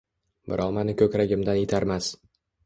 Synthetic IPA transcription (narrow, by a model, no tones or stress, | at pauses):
bɪ̰ɾʔɒmanɪkʰʲɵkʲɾaɡʲɪmd̪anet̪ʰaɾmas